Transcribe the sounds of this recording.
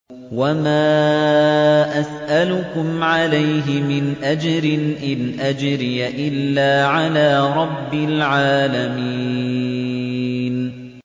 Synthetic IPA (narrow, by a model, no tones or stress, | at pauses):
wamaː | ʔasʔalʊkʊmʕalajɦɪmɪnʔad͡ʒɾɪnʔɪnʔad͡ʒɾɪjaʔɪlːaːʕalaːɾˤɑbːɪlʕaːlamiː | n